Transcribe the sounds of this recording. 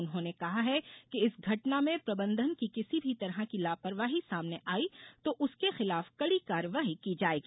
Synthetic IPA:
ʊnɦõːnekɐɦaɦɛkeɪsɡʱɐʈnamẽpɾɐbə̃nd̪ʱənkikɪsibʱit̪ɐɾɦakilaːpəɾʋaːɦisaːmneʔaːit̪oʔʊskexɪlaːfkɐɽikaːɾəʋaːɦikid͡ʒaːeːɡiː

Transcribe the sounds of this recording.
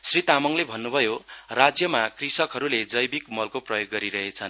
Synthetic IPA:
srit̪amʌŋlebʱʌnːubʱʌjorad͡zjʌmakrisʌkɦʌɾuled͡zʌjbikmʌlkoprʌjoɡːʌɾiɾʌɦet͡sʰʌn

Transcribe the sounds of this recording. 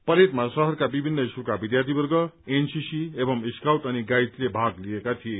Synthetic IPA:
pʌɾet̪masʌɦʌrkabibʱinːʌisukabid̪jart̪ʰibʌrɡʌensisiebʌmiskawt̪ʌniɡajt̪lebʱãɡliekat̪ʰije

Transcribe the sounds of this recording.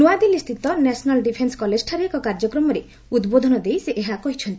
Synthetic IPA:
nuad̪ilist̪ʰit̪ɔnɛsɔnalɖipʰenskɔled͡ʒʈʰaɾekɔkaɾd͡ʒɔkɾɔmɔɾe | ud̪bod̪ʱɔnɔd̪ejseʔeɦakɔɦit͡ʃʰɔnt̪i̥

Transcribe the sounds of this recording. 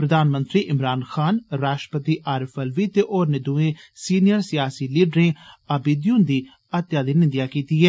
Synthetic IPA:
pɾəd̪aːnmə̃nt̪ɾiːʔɪmɾaːnxʰaːnɾaːʃʈɾəpət̪iːʔaːɾefʰɛlʋiːt̪eːʔoːɾned̪ũẽːsiːnɪjəɾsɪjaːsiːliːɖɾẽːəbɪd̪jũːnd̪iː | ət̪jaːd̪iːnɪ̃nd̪ɪjaːkiːt̪iːɦɛː

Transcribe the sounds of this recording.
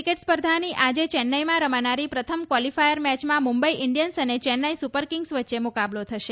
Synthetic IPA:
ikeʈspəɾd̪ʱaniʔad͡ʒet͡ʃɛnːajmãɾəmanaɾipɾət̪ʰəmkʋɔlifajəɾmɛt͡ʃmãmumbəiʔɪɳɖijənsənet͡ʃɛnːəjsupəɾkɪŋɡsʋətːʃemukablot̪ʰəʃe

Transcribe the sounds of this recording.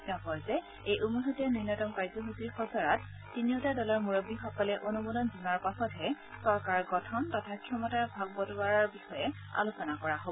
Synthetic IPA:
nɔkɔɹzɛ | ejʔumuɦutɛninːɔtɔmkaɹzɔɦusiɹxɔzɔɹatː | iniotadɔlaɹmuɹobixɔkɔlɛʔonumɔdɔnzunaɹpasɔtɦɛ | sɔɹkaɹɡɔtʰɔntɔtʰakʰjɔmɔtaɹbʱaɡ̚bɔtaɹaɹbixɔjɛ | a̰lusɔnakɔɹaɦobɔ

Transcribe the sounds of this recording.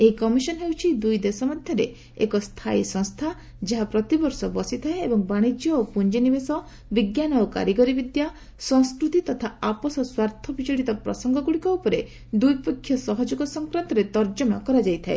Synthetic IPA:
eikɔmisɔnɔɦewt͡ʃʰid̪ujd̪esɔmɔd̪ʱjɔɾḛ | ḛkɔst̪ʰajsɔ̃ŋst̪ʰa | d͡ʒeɦapɾɔt̪ibɔɾsɔbɔsit̪ʰaeebɔŋbaɽ̃id͡ʒjɔopund͡ʒinibesɔ | biɡjanɔoka̰ɾjiɡɔɾibid̪ja | sɔ̃ŋ̃skɾut̪it̪ɔt̪ʰaapɔsɔswaɾt̪ʰɔbit͡ʃɔɽit̪ɔpɾɔ̰sɔŋɡɔɡuɽikɔupɔɾe | d̪ujpɔkʰjɔsɔɦɔd͡ʒuɡɔsɔŋkɾant̪ɔɾet̪ɔɾd͡ʒɔmɔkɔɾad͡ʒajt̪ʰaḛ

